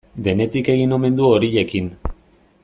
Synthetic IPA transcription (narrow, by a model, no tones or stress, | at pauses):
d̪e̞ne̞t̪ike̞ɣ̞ino̞me̞nd̪uoɾiʎe̞kin